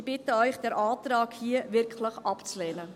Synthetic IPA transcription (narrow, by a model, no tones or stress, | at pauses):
b̥ɪtəœʏχd̥ɛːɾʔɑːt̪ɾɑːkhiəʋɪɾkʰləχɑpt͡slɛːnə